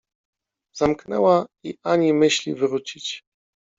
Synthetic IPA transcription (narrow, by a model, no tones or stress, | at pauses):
zamknɛ̰waiʔaɲimɘɕlʲivɘɾut͡ɕit͡ɕ